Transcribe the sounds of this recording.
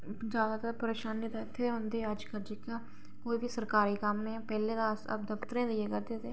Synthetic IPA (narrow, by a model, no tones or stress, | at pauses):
d͡ʒjaːd̪aːt̪aːɾpəɾeːʃaːnɪt̪aːɪt̪ʰːeːɦõːnd̪eːəd͡ʒkəɾd͡ʒɪkaː | koːiːʋiːsəɾkaːɾiːkəmːẽːpɛːleːd̪aːsə̰b̚d̪əpt̪ɾẽːd̪eeːkəɾd̪eːt̪eː